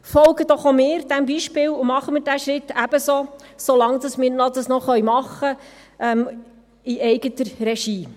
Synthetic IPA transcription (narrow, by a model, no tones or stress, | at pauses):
fɔlɡəd̥̪ɔχomɪːɾd̥̪æmbiʃpɪːlʊmɑχəmɪːɾdæʃɾɪt̪ːæb̥əsosolɑŋd̥̪ɑsmɪːɾnɔd̪ɑsnɔχœɥmɑχːə | ʔɛm | iʔɛjɡət̪əɾɾɛʃiː